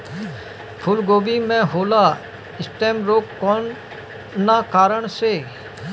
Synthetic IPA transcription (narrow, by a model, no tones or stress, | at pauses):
pʰʊlɡoːʋimẽɦoːla | ɪsʈeːmɾoːkːɔːn | nːakaːɾəɳse